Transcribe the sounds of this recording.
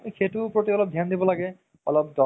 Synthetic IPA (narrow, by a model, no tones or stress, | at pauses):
xetupɹotiɔlɔp̚dʱjand̪ibɔlaɡɛ | ɔ̰lɔp̚d̪ɔ